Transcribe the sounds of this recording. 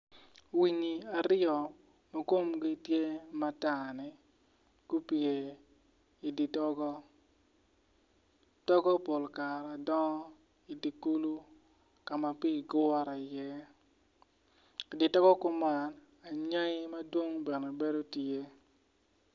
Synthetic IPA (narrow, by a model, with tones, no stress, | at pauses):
wi˨ɲi˨a˨ɾɪjɔ˨ | ma˦ko˦mɡi˦tje˦ma˦ta˨nɪ˨ | ku˦pi˨e˨ | i˨di˨tɔ˦ɡɔ˦ | tɔ˦ɡɔ˦po˨lka˨ɾa˨dɔ˦ŋɔ˦ | i˨di˨ku˦lu˦ | ka˨ma˨pi˦˨ɡʊ˦ɔ˦ɾa˨jɛ˦˨ | di˨tɔ˦ɡɔ˦kʊ˦ma˨˦n | a˨ɲa˦ŋɪ˦ma˦dwo˦ŋbɛ˨nɛ˨be˦do˦te˦